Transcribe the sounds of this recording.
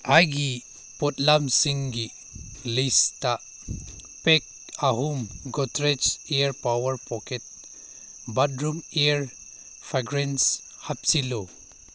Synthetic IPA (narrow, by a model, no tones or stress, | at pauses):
ajɡi | pɔtlamsiŋɡi | lista | pek̚aɦumɡɔtɾet͡ʃeəɾpawəɾpɔket̚ | badɾumeəɾ | pʰaɡɾens | hap̚silo